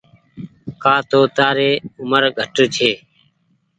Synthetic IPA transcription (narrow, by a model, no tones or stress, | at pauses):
kaːt̪oːt̪aːɾeːʊməɾɡʱəʈoːt͡ʃʰeː